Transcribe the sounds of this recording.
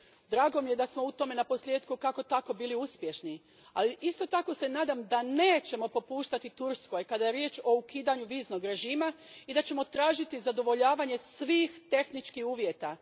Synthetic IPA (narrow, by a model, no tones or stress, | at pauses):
d̪ɾaːɡo̞mije̞d̪asmo̞ut̪o̞me̞napo̞slʲje̞ːd̪kukako̞t̪ako̞biːliuspje̞ʃni | aliʔist̪o̞t̪ako̞se̞naːd̪amd̪ane̞ːt͡ɕe̞mo̞po̞puːʃt̪at̪it̪uɾsko̞jkad̪ajeɾje̞ːt͡ʃo̞ukiːd̪aɲuʋiːzno̞ɡɾe̞ʒiːmaid̪at͡ɕe̞mo̞t̪ɾaːʒit̪izad̪o̞ʋo̞ʎaːʋaɲe̞sʋiːxt̪e̞xnit͡ʃkixuːʋje̞t̪a